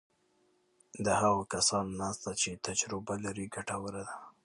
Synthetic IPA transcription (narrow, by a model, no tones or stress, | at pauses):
d̪əhaɣakasɑnnɑst̪at͡ʃet̪ad͡ʒɾʊbalaɾiɡaʈawəɾad̪a